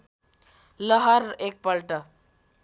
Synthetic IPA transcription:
ləɦəɾek̚pəlʈə

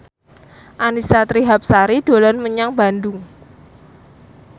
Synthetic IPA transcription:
ʔanisat̪ɾiɦap̚saɾid̥o̤lɔnməɲaŋba̤nd̪ʊŋ

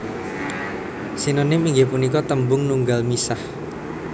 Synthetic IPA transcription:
sinonɪmiŋɡɪpunikɔt̪əmbʊŋnuŋɡalmisah

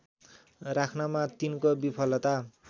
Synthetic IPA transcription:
rakʰnamat̪inkobipʰʌlʌt̪a

